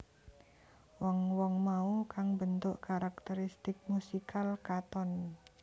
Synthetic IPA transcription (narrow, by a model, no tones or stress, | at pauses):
wɔŋwɔŋmaukaŋbənt̪ʊʔkaɾak̚t̪əɾist̪ɪk̚musikʰalkat̪ɔn